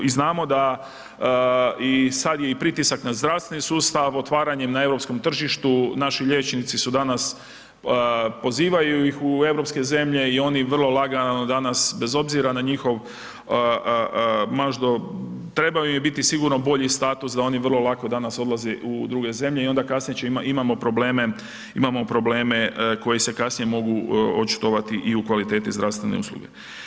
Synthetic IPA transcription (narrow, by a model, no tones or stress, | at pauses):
iznaːmo̞d̪a | isad̪je̞ipɾit̪isaknazd̪ɾaʋst̪ʋe̞nisuːst̪aʋo̞t̪ʋaːɾaɲe̞mnae̞vɾo̞psko̞mt̪r̩ʒiʃt̪unaʃiʎe̞t͡ʃnit̪sisud̪anas | po̞ziːʋajujixue̞ʋɾo̞pske̞ze̞mʎe̞io̞niʋrlˠo̞lˠaɡanod̪anasbe̞zo̞bziɾanaɲixo̞ʋ | maʒd̪ot̪ɾe̞bajumibit̪isiɡuɾno̞bo̞ʎist̪aːt̪usd̪ao̞niʋrlˠo̞lˠakod̪anaso̞d̪lˠazeʔud̪ɾuːɡe̞ze̞mʎe̞io̞nd̪akasnijet͡ʃeimaimamo̞pɾo̞ble̞ːme̞ | imamo̞pɾo̞ble̞ːme̞ko̞jese̞kasnije̞mo̞ɡuot͡ʃi̥t̪oʋat̪iʔiukʋalit̪e̞ːt̪izd̪ɾaʋst̪ʋe̞nḛṵslˠṵɡḛ